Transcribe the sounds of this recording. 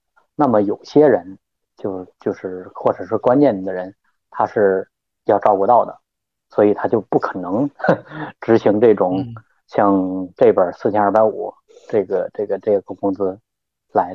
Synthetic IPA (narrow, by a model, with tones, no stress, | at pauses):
na˥˩mə˩jo˨˩ʊɕjɛ˥ɻə˧˥n | t͡ɕjo˥˧ʊt͡ɕjo˥˧ʊʂɻ̩˥˩xwɔ˥˩ʈ͡ʂɤ˨˩ʂɻ̩˥˩kwa˥nt͡ɕjɛ˥˩n˧˩d̪ə˩ɻə˧˥n | t̪ʰa˥ʂɻ̩˥˩ | jɑ˥˧ʊʈ͡ʂɑ˥˧ʊku˥˧t̪ɑ˥˩ʊd̪ə̰˩ | swɔ˧˥i˨˩t̪ʰa˥t͡ɕjo˥˧ʊpu˥˩kʰɤ˨˩nɤ˧˥ŋ | ʈ͡ʂɻ̩˧˥ɕi˧˥ŋʈ͡ʂɤ˥˩ʈ͡ʂʊ˨˩˦ŋ | ɕjɑ˥˧ŋʈ͡ʂe˥˩ɪpjə˞˨˩sɹ̩˥˩t͡ɕʰjɛ˥na˞˥˧˩pa˧˥ɪṵ˨˩˦ | ʈ͡ʂɤ˥˩ɡə˩ʈ͡ʂɤ˥˩ɡə˩ʈ͡ʂɤ˥˩ɡə˧˩kʊ˥ŋt͡sɹ̩˥ | la˧˥ɪ